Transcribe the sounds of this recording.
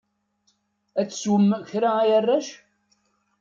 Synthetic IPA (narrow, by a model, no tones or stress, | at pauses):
æt͡sːswəmçɾaæjərːæʃ